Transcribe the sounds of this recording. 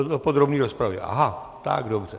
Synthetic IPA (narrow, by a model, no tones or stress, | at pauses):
opod̪ɾobɲiːɾospɾavjɛ̰ʔa̰ɦa | t̪a̰ɡdobr̝̥ɛ